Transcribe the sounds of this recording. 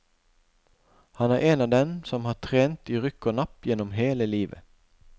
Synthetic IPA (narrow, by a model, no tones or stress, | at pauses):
hɑnæːʁʔeːnɑːʋd̪ɛnsɔmhɑːt̪ʰʁeːnt̪iːʁʏkɔnɑpjɛnɔmɦeːləliːʋə̰